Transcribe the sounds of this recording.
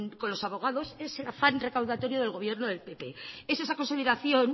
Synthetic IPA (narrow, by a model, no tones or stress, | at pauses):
ko̞nlo̞saβo̞ɣ̞aðo̞se̞selafanre̞kawðat̪o̞ɾjoð̞e̞lɣo̞β̞je̞ɾnoðe̞lpe̞pe̞ese̞sako̞nsiðeɾaθjo̞n